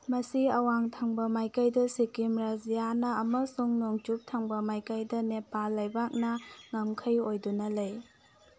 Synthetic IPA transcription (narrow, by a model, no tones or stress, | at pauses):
mɐsiɐwaŋtʰaŋbɐmajkajdɐsikimɾazijanɐːmɐsuŋnoŋt͡ʃup̚tʰaŋbɐmajkajdɐnepalːɐjbak̚nɐŋɐmkʰɐjojdunɐlej